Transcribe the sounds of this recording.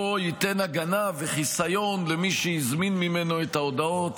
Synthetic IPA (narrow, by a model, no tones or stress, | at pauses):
ojit̪e̞naɡanaveχisajo̞nlemiʃejizminmime̞no̞etao̞d̪ao̞t̪